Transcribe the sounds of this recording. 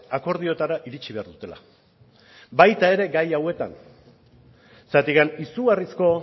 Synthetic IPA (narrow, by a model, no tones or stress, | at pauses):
ako̞ɾð̞io̞t̪aɾaʔiɾit͡ʃiβe̞aɾðut̪e̞la̰ | bajt̪ae̞ɾe̞ɡajawe̞t̪a̰n | sat̪ikanisuɣarisko̞